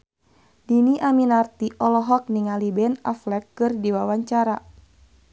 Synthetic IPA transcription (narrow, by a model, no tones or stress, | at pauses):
diniʔaminart̪iʔɔlɔɦɔk̚niŋalibɛnaflɛkːɨrdiwawaɲt͡ʃaɾa